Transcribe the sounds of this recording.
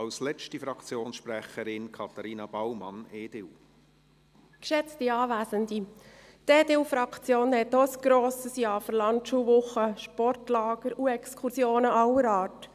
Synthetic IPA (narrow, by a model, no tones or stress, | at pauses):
ɑlslɛt͡ʃtifɾɑkt͡sjoːnsʃpɾɛχəɾɪnkʰɑt̪ɑɾiːnɑb̥awmɑ̰neːd̥ɪw | kʃɛt͡stiɑːʋæːsəndi | teːdɪlfɾɑkt͡sjoːnhɛt̪ɔəsɡ̥ɾoːsəsjɑːfəɾlɑntʃuːʋʊχəʃpɔrtlɑːɡ̥əɾuɛkskʰusjoːnəʔɑwəɾɑːt